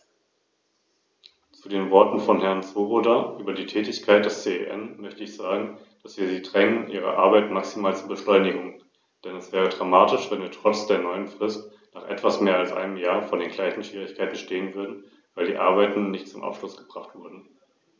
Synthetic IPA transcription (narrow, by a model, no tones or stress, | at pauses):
t͡sudeːnvɔɐtn̩fɔnɦɛɐnt͡soːʁodaʔyːbɐdiːtʰɛːtɪçkʰaɪt̚d̥ɛst͡seːḛʔɛ̰nmœçtəɪçz̥aːɡŋ̩ | d̥asv̥iːɐziːdʁɛŋənʔḭːʁə̰ʔa̰ɐbaɪtmaksimaːlt͡suːɐbəʃlɔʏnɪɡʊŋ | d̥ɛnɛsv̥ɛːʁ̞ədʁamaːtɪʃv̥ɛnviːɐtʁ̥ɔt͡sd̥eːɐnɔʏənfʁ̥ɪst | naːχʔɛ̰tv̥asmeːɐalsʔa̰ɪnəmjaːɐfɔndeːnɡlaɪçn̩ʃv̥iːʁ̞ɪçkʰaɪtn̩ʃteːənvʏɐdn̩ | vaɪldiːʔa̰ɐbaɪtn̩nɪçtt͡sʊmʔa̰pʃlʊsɡ̥əb̥ʁaχtv̥ʊɐdn̩